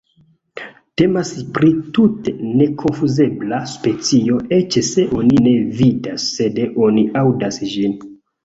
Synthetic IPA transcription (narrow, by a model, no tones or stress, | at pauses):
te̞maspɾitute̞ne̞kʰo̞nfuze̞blaspe̞t͡sio̞ʔe̞t͡ʃse̞ʔo̞nine̞vidasːe̞dʔo̞niawdasʒin